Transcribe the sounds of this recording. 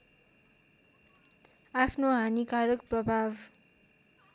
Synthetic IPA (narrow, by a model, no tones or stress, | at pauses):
apʰnoɦanikaɾʌkprʌbʱab